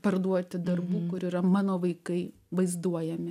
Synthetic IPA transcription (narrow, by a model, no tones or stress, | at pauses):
pɐɾd̪uɔt̪ʲɪd̪ɐrbuːkʊɾiːɾɐmɑːnoːʋɐɪkɐɪ | ʋɐɪzd̪uɔjɛmʲɪ